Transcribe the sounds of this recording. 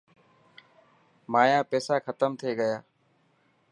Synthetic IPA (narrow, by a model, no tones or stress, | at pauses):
maːjaːpɛːsaːxʰət̪əmt̪ʰeːɠəjaː